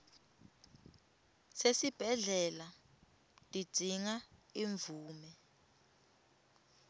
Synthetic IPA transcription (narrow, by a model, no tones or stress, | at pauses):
sesib̥ʱɛɮɛla | tʼi̥d̥ʱiŋaiɱvuːmɛ